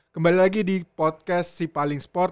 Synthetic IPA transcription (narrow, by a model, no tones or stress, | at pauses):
kəmbalilaɡidipɔt̪̚kɛssipalɪŋspɔr